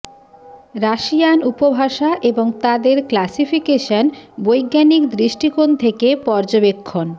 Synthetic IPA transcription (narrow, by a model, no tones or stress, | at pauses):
ɾaʃijanupobʱaʃaʔeboŋt̪ad̪eɾklasifʰikeʃanbojɡːanikd̪ɾiʃʈikont̪ʰekepɔɾd͡ʑobekʰːon